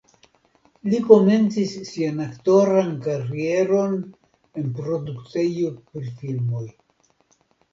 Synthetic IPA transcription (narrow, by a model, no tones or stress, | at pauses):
liko̞me̞nt͡sisːianakto̞ɾankaɾie̞ɾo̞n | e̞npɾo̞dukt͡sejopɾifilmo̞j